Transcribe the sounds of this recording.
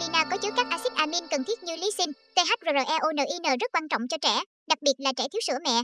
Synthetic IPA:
li˧naː˧kɔ˨˦t͡ɕɨ˨˦kaː˦˥k̚ʔaː˧sï˦˥t̚ʔaː˧mi˧nkə˨˩nt̪ʰi˦˥ət̚ɲi˧wli˨˦si˧nt̪e˧ɦa˦˥t̚zo˨˧˩əː˨˩ʔɛ˧ʔo˧nə̰ː˨˩ʔi˧nəː˨˩zə˦˥t̚kwaː˧nt͡ɕɔ̰˧˨wŋ͡mt͡ɕɔ˧t͡ɕɛ̰˧˩ | ɗa˨˩k̚ɓi˨˩ət̚laː˨˩t͡ɕɛ˧˩t̪ʰi˨˦wsɨ̰˧˩əmɛ̰˧˨

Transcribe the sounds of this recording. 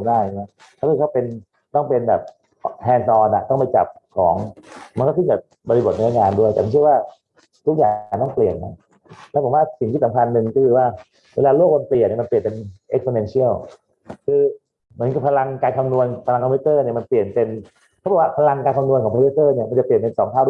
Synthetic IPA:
mdaː˥˩˧ma˦˥ | kʰːkʰpe˧n | t̪ɔ˥˩ŋpe˧nbɛ̰ː˨˩p̚ | hʰɛː˧nsɔː˧nʔa̰˨˩t̪ɔ˥˩ŋp̬a˧jt͡ɕa̰˨˩p̚kʰɔː˩˦ŋma˧nkɔː˥˩t̪ʰɯ˥˩bɛː˨˩p̚bɔ˧li˧bo˨˩t̪̚na˧˦a˦˥˩kaː˧ndu˥˩jt̪ɛ˨˩ma˧˥nt͡ɕʰɯ˥˩ə˩waː˥˩ | t̪ʰu˥k̚jaː˨ŋt̪ɔ˥˩ŋpli˨˩ən̚na˦˥ | lɛ˦˥pʰo˩˦waː˥˩si˨˩ŋt̪i˥˩sa˨˦mkʰa˧nːɯ˧ŋkɔ˥kʰɯː˧waː˥˩ | weː˧laː˧lu˥˩k̚wa˧npli˨˩tni˥˩ma˧npli˨˩npe˧nʔe˦˥k̚fo˧nɛ˧nsʰi˥˩ə˩w | kʰɯː˧ | mɯ˩˦nka˨˩pʰa˧la˧ŋkaː˧nt̪ʰa˧mnu˧ənpʰa˧la˧ŋkʰɔ˧mpʰiu˦˥t̪ɤː˥˩ni˥˩əma˧npli˨˩ənpe˧n | kʰbɔ˨˩wa˥˩pʰa˧la˧ŋkaː˧nt̪ʰa˧mnu˧ənkɔː˩˦pʰːu˦˥sɤː˥˩ni˥˩ma˧nt͡ɕa˨˩pi˨˩ə˩npe˧nsɔː˩˦ŋt̪ʰaː˥˩d

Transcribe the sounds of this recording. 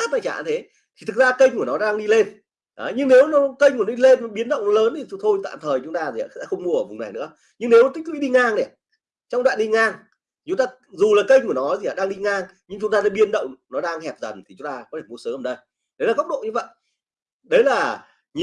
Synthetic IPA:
a˦˥p̚na̰˧˨jt͡ɕa̰ː˧˨˩t̪ʰe˨˦ | t̪ʰi˨˩t̪ʰɨ˨˩zaː˧kə˧jŋ̟ku˧˩ənɔ˨˦ɗaː˧ŋɗi˧le˧n | ʔaː˨˦ɲɨ˧ŋne˨˦wnɔ˨˦kə˧jŋku˧˩nɔ˨˦ɗi˧le˧nɔ˨˦ɓi˨˦ənɗə̰˧˨wŋ͡mləː˨˦nt̪ʰi˨˩t̪t̪ʰo˧jt̪a̰ː˧˨mt̪ʰəː˨˩jt͡ɕʊ˨˦ŋ͡mt̪aː˧zi˨˩˨a̰ː˨˩sɛ̰˧˥xə˧wŋ͡mmu˧ʔəː˧˩ʊ˨˩ŋ͡mna˨˩jnɨ̰˧˥ə | ɲɨ˧ŋne˨˦wt̪ï̟˦˥lwi˨˦ɗi˧ŋaː˧ŋnɛ˨˩ | t͡ɕɔ˧wŋ͡mɗwa̰ː˧˨nɗi˧ŋaː˧ŋ | i˨t͡ɕʊ˨˦ŋ͡mt̪aː˧ | zu˨˩laː˨˩kə˧jŋ̟ku˧˩ənɔ˨˦zi˨˩˨aː˨ɗaː˧ŋɗi˧ŋaː˧ŋ | ɲɨ˧ŋt͡ɕʊ˨˦ŋ͡mt̪aː˧ɗaː˨˦ɓi˧ənɗə̰˧˨wŋ͡mnɔ˨˦ɗaː˧ŋhɛ˨˩p̚zə˨˩nt̪ʰi˨˩t͡ɕʊ˨˦ŋ͡mt̪aː˧kɔ˨˦e˧˩m˨˦əsəː˨˦ʔəː˧˨˩nɗə˧j | ɗə˨˦laː˨˩ə˦˥k͡p̚ɗo̰˧˨ɲɨ˧və̰˧˨j | ɗə˨˦jlaː˨˩ | ɲ˧

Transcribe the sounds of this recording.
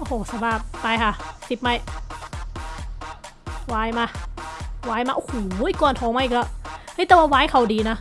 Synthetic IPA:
ʔo˧˨hoː˨˩sa˧baː˧˩p̚pa˧jkʰa˧˩si˨˩p̚ma˧˩j | waː˧˥jmaː˧˩ | waː˧˥jmaː˧ʔo˧˨hoː˨˩uː˧˦˥kɔː˧˩nt̪ʰɔː˨˧˦ŋmaː˧˥ʔkla˧˩ha˥˨jt̪ɛː˧waː˧waː˧˥jkʰa˧˨˩wdiː˧na˦˥

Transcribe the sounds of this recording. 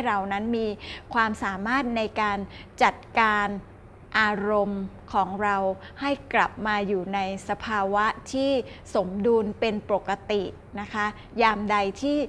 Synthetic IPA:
ɾa˧wna˦˥nmiː˧kʰwaː˧msaː˩˦maː˥˩t̪̚na˧jkaː˧nt͡ɕa˨˩t̪̚kaː˧n | ʔaː˧ɾo˧m | kʰɔː˩˦ŋɾa˧w | ha˥˩jkla˨˩p̚maː˧juː˨˩na˧jsa˧pʰaː˧wa˦˥t̪ʰiː˥˩so˩˦mduː˧npe˧npo˨˩kːa˧t̪i˨˩ | na˦˥kʰa˦˥ | jaː˧mda˧jt̪ʰiː˥˩

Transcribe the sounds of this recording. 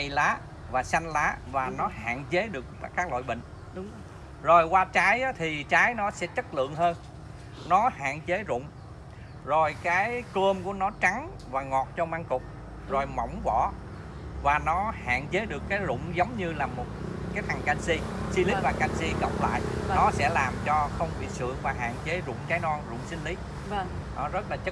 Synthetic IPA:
jlaː˨˦ | vaː˨˩sa˧jŋlaː˨˦vaː˨˩nɔ˨˦ha̰ː˧˨nt͡ɕe˨˦ɗɨ˨˩ək̚kːaː˦˥k̚lɔ̰ː˧˨jɓə̰˧˨ŋ̟ | ʊ˨˦ŋ͡m | zo˨˩jkwaː˧t͡ɕaː˨˦jʔaː˨˦t̪ʰi˨˩t͡ɕaː˨˦jnɔ˨˦sɛ̰˧˥t͡ɕə˦˥t̚lɨ̰˧˨əŋɦəː˧n | nɔ˨˦ha̰ː˧˨nt͡ɕe˨˦zʊ̰˧˨ŋ͡m | zo˨˩jkaː˨˦jkə˧mku˧˩ənɔ˨˦t͡ɕa˨˦ŋ | vaː˨˩ŋɔ˨˩t̚t͡ɕɔ˧maː˧ŋkʊ˨˩k͡p̚ | zo˨˩jmə̰˧˩wŋ͡mvɔ̰˧˨ | vaː˨˩nɔ˨˦ha̰ː˧˨nt͡ɕe˨˦ɗɨ˨˩əkːaː˨˦jzʊ̰˧˨ŋ͡mzə˨˦wŋ͡mɲɨ˧laː˨˩mo˨˩t̚kaː˨˦jt̪ʰa˨˩ŋka˧nsi˧si˧li˦vaː˨˩ka˧nsi˧kə̰˧˨wk͡p̚la̰ː˧˨jnɔ˨˦sɛ̰˧˥laː˨˩mt͡ɕɔ˧xə˧wŋ͡mɓḭ˧˨sɨ̰˧˨əŋvaː˨˩ɦa̰ː˧˨nt͡ɕe˨˦zʊ̰˧˨ŋ͡mkaː˨˦jnɔ˧nzʊ̰˧˨ŋ͡msï˧ŋ̟li˨˦˧ | ʔɔ˨˦zə˦˥t̚laː˨˩t͡ɕə˦˥

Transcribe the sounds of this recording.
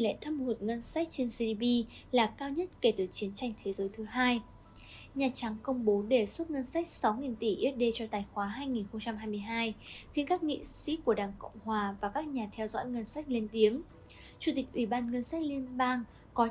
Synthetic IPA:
lḛ˧˨jt̪ʰə˧mhu˨˩t̚ŋə˧nsa˦˥k̟̚t͡ɕe˧nsi˧ɗi˧ɓi˧laː˨˩kaː˧wɲə˦˥t̚ke˧˩t̪ɨ˨˩t͡ɕi˨˦ənt͡ɕa˧jŋ̟t̪ʰe˨˦zəː˨˦jt̪ʰɨ˨˦ɦaː˧j | ɲaː˨˩t͡ɕa˨˦ŋkə˧wŋ͡mɓo˨˦ɗe˧˩su˦˥t̚ŋə˧nsa˦˥jk̟̚sa˨˦wŋi˨˩nt̪i˧˩ʔi˦˥ət̚ɗe˧t͡ɕɔ˧t̪aː˨˩jxwaː˨˦ɦaː˧jŋi˨˩nxə˧ŋ͡mt͡ɕa˧mɦaː˧jmɨ˧əjɦaː˧jxi˧nkaː˦˥k̚ŋḭ˧˨sḭ˧˥ku˧˩əɗaː˨˩ŋkə̰˧˨wŋ͡mhwaː˨˩vaː˨˩kaː˦˥k̚ɲaː˨˩t̪ʰɛ˧wzɔ̰˧˥jŋə˧nsa˦˥k̟̚li˧ənt̪i˨˦əŋ | t͡ɕu˧˩t̪i˨˩k̚ʔwi˧˩ɓaː˧nŋə˧nsa˦˥k̚li˧ənɓaː˧ŋ | kɔ˨˦

